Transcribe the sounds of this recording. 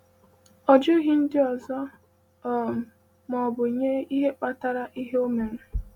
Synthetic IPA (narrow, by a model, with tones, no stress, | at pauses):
ɔ˨d͡ʒo˦ɣi˦n̩˦dɪ˦ɔ˨zɔ˦˨ | m̩˨ | mɔ˨bʊ˨i˨ɲe˦i˦ɦe˦k͡pa˦ta˦ɾa˦ʔi˦ɦe˦o˦me˨ɾe˨